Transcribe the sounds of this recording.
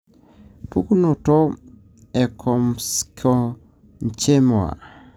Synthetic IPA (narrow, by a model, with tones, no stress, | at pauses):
pu˦ku˦no˨to˦ | ɛ˨kʰɔ˨mskʰo˦ | ɲ˨t͡ʃe˦mwa̰˨